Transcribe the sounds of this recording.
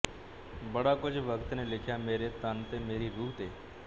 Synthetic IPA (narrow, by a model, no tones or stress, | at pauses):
bəɽakʊd͡ʒʋəkt̪nelɪkʰjameːɾet̪ənt̪emeːɾiɾuːt̪eː